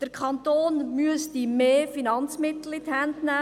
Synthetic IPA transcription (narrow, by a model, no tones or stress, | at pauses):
d̥əɾkʰɑnt̪oːnmyəstimeːfinɑnt͡smɪt̪l̩it̪hændnæ